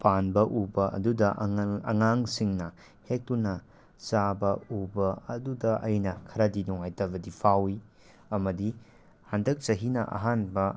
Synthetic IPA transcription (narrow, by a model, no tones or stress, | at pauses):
panbɐʔubɐʔɐ̰dudɐʔɐ̰ŋaŋsiŋnɐ | hek̚tunɐ | t͡ʃabɐubɐɐdudɐʔɐjnɐkʰɐɾɐdinɔŋajtɐbɐdipʰawi | ɐmɐdi | handɐk̚t͡ʃɐɦinɐ̰ʔa̰ɦanbɐ